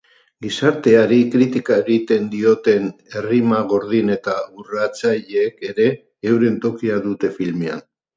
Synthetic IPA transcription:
ɡisaɾt̪e̞aɾikɾit̪ikae̞ɣit̪e̞nd̪io̞t̪e̞ne̞rimaɣ̞o̞ɾðine̞t̪aurat͡saʎeke̞ɾe̞ː | wɾe̞nt̪o̞kiaðut̪e̞filme̞a̰n

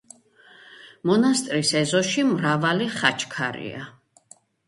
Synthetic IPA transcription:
mɔnast̪ʼɾisɛzɔʃimɾavaliχat͡ʃʰkʰaɾḭa̰

